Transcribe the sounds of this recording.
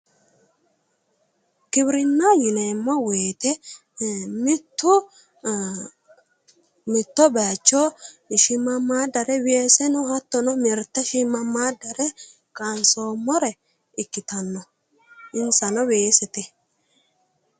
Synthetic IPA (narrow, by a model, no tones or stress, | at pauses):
kɪbɾɪnːajɪnemːɔweːt̪ɛ | mɪt̪ːʊ | mɪt̪ːɔbaːt͡ʃːɔʃɪmːɐmːaːd̪ːɐɾɛweːsɛnʊhɐt̪ːɔnɔmɪɾt̪ːɐʃɪmːɐmːaːd̪ːɐɾɛ | kʼaːnsoːmːɔɾɛ | ɪkːɪt̪ɐnːɔ | ɪnsɐnɔweːsɛt̪ɛ